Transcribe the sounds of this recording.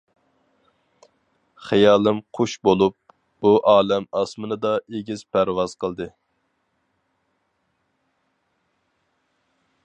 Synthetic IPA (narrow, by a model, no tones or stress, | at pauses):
χijɑːlˠɨmqʰoʃbolˠup̚ | b̥uʔɑːlɛmɑsmɨnɨd̪ɑʔeɡʲiz̥pʰæɾwɑz̥qʰəlˠd̪ɨ